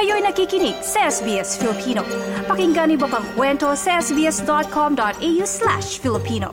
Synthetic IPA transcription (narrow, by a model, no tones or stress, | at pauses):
ɐjojnɐkikinisesbiɛsfilipʰiːno̰pɐkiŋɡɐnibɐpɐŋkwɛntoseɛsbiɛsdɔt̪̚kʰɔmdɔt̪ejuslæ̰ʃfilipʰino̰